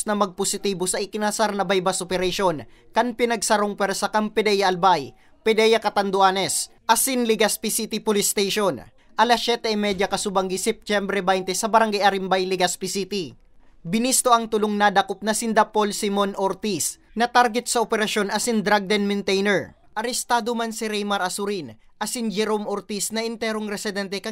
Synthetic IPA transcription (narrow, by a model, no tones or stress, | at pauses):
snɐmɐɡ̚posɪt̪iːbo̞sɐʔɪkɪnasaɾnɐbajbɐsʔopɛɾɐʃo̞n | kɐnpɪnɐɡ̚sɐɾoŋpɛɾsɐkɐmpɛd̪ɛjɐʔɐlbaj | pɛd̪ɛjɐkɐt̪ɐnd̪oʔaːnɛs | ʔɐsinliɡɐspisit̪ipolɪst̪ejʃo̞n | ʔɐlasɛt̪ɛɐmɛd̪jɐkɐsʊbɐŋɡɪsip̚t͡ʃɛmbɾɛbajnt̪ɛsɐbɐɾɐŋɡajʔɐɾimbajliɡɐspisit̪i | bɪnist̪o̞ʔɐŋt̪ʊloŋnad̪ɐkop̚nɐsɪnd̪apo̞lsimonʔoɾt̪is | nɐt̪aɾɡɛt̪̚sɐʔopɛɾɐʃo̞nɐsind̪ɾaɡ̚d̪ɛnmɪnt̪ɛjnɛɹ | ʔɐɾɛst̪aːd̪omansiɾɛjmɐɾʔɐsʊɾin | ʔɐsind͡ʒɛɾomoɾt̪isnɐʔɪnt̪ɛɾoŋɾɛsɪd̪ɛnt̪ɛkɐ